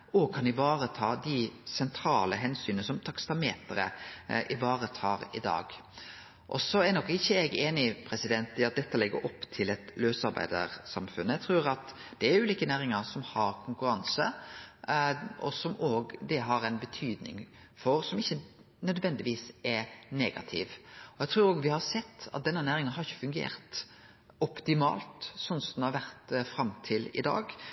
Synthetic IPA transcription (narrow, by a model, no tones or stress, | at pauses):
oːkʰɑnɪʋɑːɾət̪ʰɑːd̪ɪsɛnt̪ʰɾɑːləɦɛnsyːnəsɔmt̪ʰɑkst̪ɑmeːt̪əɾə̰ʔɪʋɑːɾət̪ʰɑːɾɪ̰d̪ɑ̰ːɡ | ʔɔ̰sɔænɔkːɪçːəɛɡeːnɪpʰɾɛsɪd̪ɛnt̪ɪɑt̪̚d̪ɛt̪ːəlɛɡːə̰ɾɔpːt̪ʰɪlɛt̪løːsɑɾbæ̰ɪd̪ə̰ɾsɑmfʉnət̪ʰɾʉːɾɑt̪ | d̪̥ɛæɾʉːliːkənæːɾɪŋəɾsɔmhɑɾkʰʊŋkʉɾɑnsə | ɔ̰sɔmoːɡd̪ɛɦɑɾɛnbət̪ʰyːd̪nɪ̰ŋ | fɔɾsɔmɪçːə | nœd̪ʋɛnd̪ɪʋiːsɛɾneːɡɑ̰t̪ʰḭːʋɔjɛɡt̪ʰɾʉːɾoːɡʋɪhɑɾsɛt̪ːɑ̰t̪̚d̪ɛnːənæːɾɪŋənhɑɾɪçə̥fʉŋɡḛːɾt̪ | ɔpt̪ɪmɑ̰ːlt̪sɔnsɔd̪nhɑɾʋæɾt̪fɾɑmt̪ʰɪlɪ̰d̪ɑ̰ːɡ